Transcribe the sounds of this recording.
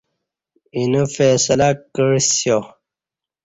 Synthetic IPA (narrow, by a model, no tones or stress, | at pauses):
inufeːsəlakəɻsjo